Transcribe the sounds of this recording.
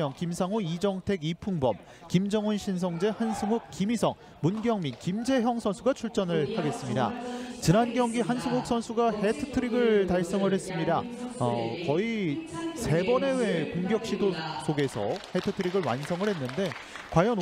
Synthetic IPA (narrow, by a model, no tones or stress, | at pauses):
ʌŋkimsʰaŋoid͡ʑʌŋtʰe̞ɡipʰuŋbʌ̰m | kimd͡ʑʌŋunɕʰinsʰʌŋd͡ʑe̞hansʰɯŋuk̚k͈ːimisʰʌŋ | munɡjʌŋminkimd͡ʑe̞çjʌŋsʰʌnsʰuɡat͡ɕʰuɭt͡ɕ͈ʌnɯɭhaɡe̞s͈ɯmɲida̰t͡ɕinanɡjʌŋɡihansʰɯŋuk̚s͈ʰʌnsʰuɡahetʰɯ̥tʰɯɾiɡɯɭtaɭs͈ʌŋɯɭhe̞s͈ɯmɲidaʌkʌisʰe̞bʌne̞wekoŋɡjʌk̚ɕ͈idosʰoɡe̞sʰʌ̰he̞tʰɯtʰɯɾiɡɯɭwa̰nsʰʌŋɯɭhe̞nːɯnde̞kwajʌn